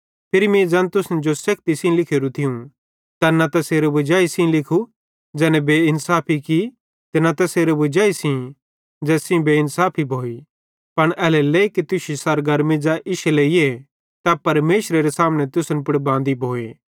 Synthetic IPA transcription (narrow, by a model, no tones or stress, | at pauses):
pʰɪɾimẽd͡ʒɐ̃nt̪ʊsənd͡ʒosɐkt̪isĩlɪkʰeɾũt̪ʰɪũ | t̪anɐt̪ɐseːɾobʊd͡ʒaːisĩlɪkʰu | d͡ʒɛːnɛbeːɪnsaːpʰiki | t̪enɐt̪ɐseːɾobʊd͡ʒaːisĩ | d͡ʒɛːsĩbeːɪnsaːpʰibʱoːi | pɐɽ̃ɛːlɛleːikit̪ʊʃisɐɾɡɐɾmid͡ʒaʔɪʃeleie | t̪apɐɾmeːʃɾeɾesaːmnɛt̪ʊsənpʊɽbãːnd̪ibʱoːeː